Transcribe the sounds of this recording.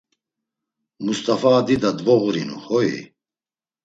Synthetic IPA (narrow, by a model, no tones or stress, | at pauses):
must̪ʼafaːd̪id̪ad̪vɔɣɾinṵhɔḭ